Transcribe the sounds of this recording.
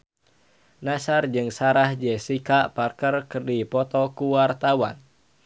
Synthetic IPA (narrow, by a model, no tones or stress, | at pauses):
nasard͡ʒɨŋsaɾahd͡ʒɛsikaʔparkərkərdipɔt̪ɔkuwart̪awan